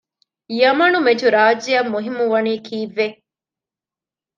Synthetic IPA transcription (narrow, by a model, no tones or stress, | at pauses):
jɐmɐnumed͡ʒuɾaːd͡ʒijɐmːuɦimːuʋɐniːkʰiːʋːe